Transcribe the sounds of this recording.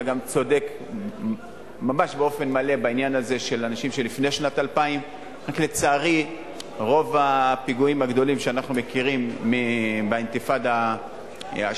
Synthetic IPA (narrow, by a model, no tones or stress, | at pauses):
ɡamt͡so̞de̞k | mamaʃbeo̞fe̞nmale̞bainjanaze̞ʃe̞lanaʃimʃelifne̞ʃnatalpaim | ʁakle̞t͡saːʁi | ʁo̞vapiɡuimaɡd̪o̞limʃeanaχnumekiʁimːibeint̪ifada | a